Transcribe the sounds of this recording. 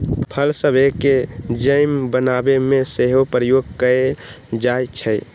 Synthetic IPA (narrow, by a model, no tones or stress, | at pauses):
pʰəlsəbʱeked͡ʒəjmbənabemẽseɦopɾəjoɡ̚kəe | d͡ʒajt͡ʃʰəj